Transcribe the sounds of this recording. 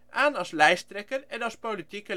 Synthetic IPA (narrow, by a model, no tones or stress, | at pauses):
ʔæːnɑslæɪst̪ɾɛkəɾɛɾɑspolɪt̪ʰɪkə